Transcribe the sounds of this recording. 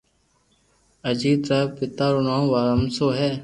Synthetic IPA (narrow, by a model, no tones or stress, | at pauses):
əd͡ʒiːt̪ɾaːpɪt̪aːɾonãːʋaːɾəmsoːɦɛː